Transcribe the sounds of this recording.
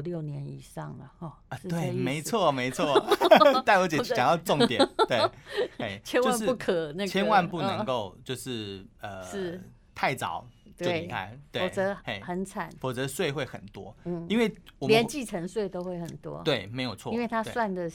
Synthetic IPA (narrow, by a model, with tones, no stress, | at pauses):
ljo˥˩ʊnjɛ˧˦ni˨˩ʂɑ˥˩ŋlə˩ɔ˥˩ɐ˧t̪we˥˩ɪme˧˥ɪt͡sʰwɔ˥˩me˧˥ɪt͡sʰwɔ˥˩t̪a˥˩wɔ˧˥t͡ɕjɛ˧˥njɑ˨ŋjɑ˥˧ʊʈ͡ʂo˥˨ŋt̪jɛ˨˩nwe˥˩e˥˧˩t͡ɕʰjɛ˥njwo˧a˥˧nʂɻ̩˥u˥˩kʰə˨˩na˥˧t͡ɕʰjɛ˦˥nwa˥˧npu˥˩nə˧˦ŋŋko˥˧ʊt͡ɕjo˥˧ʊʂɻ̩˥˩ə˩ʂɻ̩˥˩ | t̪ʰa˥˩ɪt͡sɑ̰˨˩˦ʊt̪wo˥˧˩ɪi˧kʰa̰˥˩ɪt̪we˥ɔ˨˩t͡sə˧˥˦e˥˩ɪxə˧˥nt͡sʰa̰˨˩˦nfɔ˨˩t͡sɤ˧˦swe˥˧ɪxwe˥˩ɪxə̰˨˩nt̪wɔ̰˦n̩˥˩i˥nwe˥˩ɪwɔ˨˩ljə˧˦nt͡ɕi˥˨ʈ͡ʂʰə˧˥ŋswe˥˩ɪt̪o˥ʊxwe˥˩ɪxə˨˩nt̪wɔ̰˦t̪we˥˩ɪme˧˥ɪjo˨˩ʊt͡sʰɔ˥i˥nwe˥˩ɪt̪ʰa˥swa˥˩ndə˨